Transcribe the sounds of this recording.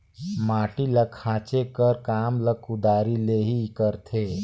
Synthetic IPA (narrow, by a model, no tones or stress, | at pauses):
maːʈiləkʰːãːt͡ʃekəɾkaːmləkʊd̪aːɾileːɦikəɾt̪ʰeː